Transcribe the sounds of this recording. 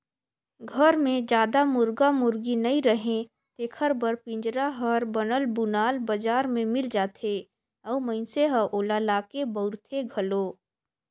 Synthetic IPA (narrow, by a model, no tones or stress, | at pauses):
ɡʱəɾmẽd͡ʒaːd̪amʊɾɡamʊɾɡinɐĩɾəɦẽ | t̪eːkʰəɾbəɾpɪ̃ɲd͡ʒɾaɦəɾbɐnəlbʊnaːlbəd͡ʒaːɾmẽmɪld͡ʒaːt̪ʰe | ɔːməɪnseɦəʔoːlalaːkebəʊɾt̪ʰeɡʱəloː